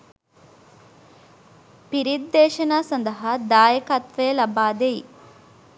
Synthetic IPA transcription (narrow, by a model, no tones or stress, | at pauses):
piɾid̪ːeːʃɐnɐsɐnd̪ɐɦɐd̪aːjɐkaːt̪ʋeːlɐbaːd̪eː